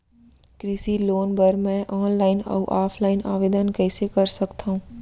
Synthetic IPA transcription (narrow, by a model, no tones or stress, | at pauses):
kɾɪsiloːnbəɾmɛ̃ʔɔːnlaːɪnɔ̰ːʔaːpʰlaːɪna̰ːʋeːd̪ənkɛːsekɐɾsɐkt̪aɦũː